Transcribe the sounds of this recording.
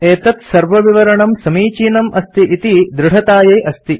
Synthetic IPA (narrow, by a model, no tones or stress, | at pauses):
eːt̪ɐt̪sɐɾʋɐʋiʋɐɾɐɳɐmsɐmiːt͡ʃiːnɐmɐst̪iʔit̪id̪ɾɪɽ̤ɐt̪aːjeːʔɐst̪i